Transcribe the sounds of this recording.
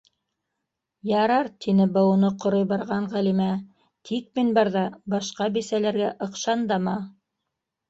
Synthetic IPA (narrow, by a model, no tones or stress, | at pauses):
jɑɾɑɾt̪ʰinɘbɤwunɤqŏɾojbɑɾʁɑɴʁælimæ | t̪ʰik̚minbɑɾðɑbɑʃqɑbisælæɾɡæʔɤ̆qʃɑnd̪ɑmɑ